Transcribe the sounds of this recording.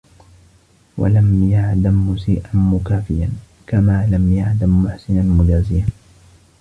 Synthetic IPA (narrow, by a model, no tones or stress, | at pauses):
wa̰lamjaʕd̪amːʊsḭːʔanmʊkaːfɪjan | kamaːlamjaʕd̪amːʊħsɪnanmʊd͡ʒaːzɪjan